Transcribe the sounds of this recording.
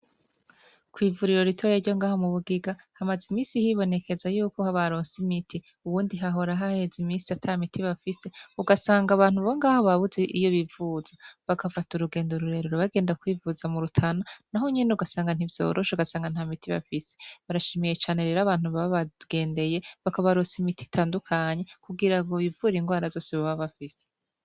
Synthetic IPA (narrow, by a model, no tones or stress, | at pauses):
kwiːvuɾiɾo̞ɾitʰo̞jeɾɟo̞ŋɡaːho̞muβuɡiɡahamazimiːnsihiβo̞ne̞ke̞zajuːko̞haβaɾo̞ːnsimitʰi | uβuːndiɦaɦo̞ɾaɦahe̞zimiːsiatʰamitʰiβafise̞uɡasaːŋɡaβaːnhuβoŋɡaːho̞βaβuzeʔijo̞βivuz̥aβakʰafatuɾuɡe̞ːndoɾuɾe̞ɾuɾoβaɡe̞ːndakwiːvuzamuɾutʰananaɦo̞ɲinuɡasaːŋɡan̥ivjo̞̰ɾʔo̞ʃeuɡasaːŋɡan̥haːmitiβa̰fise̞̥βaɾaʃiːmijet͡ʃaːne̞ɾeːɾaβaːn̥huβaβaɡ̥e̞ːnde̞je̞βakaβaɾosimiti̥tʰaːndukʰaɲe̞kuɡiɾaɡoβivuɾiŋɡwaːɾazo̞ːsiβaβaβafise